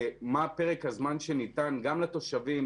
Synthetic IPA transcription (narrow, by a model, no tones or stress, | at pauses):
mapeʁekhazmanʃenit̪anɡamlat̪o̞ʃavim